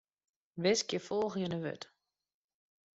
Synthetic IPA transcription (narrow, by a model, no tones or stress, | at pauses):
ʋɪskjəfɔlˠɣjənəʋø̰t